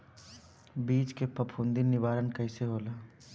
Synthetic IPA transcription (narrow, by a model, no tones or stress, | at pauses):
biːt͡ʃkepɐpʰũnd̪inɪʋaːɾənkɐɪseɦoːlaː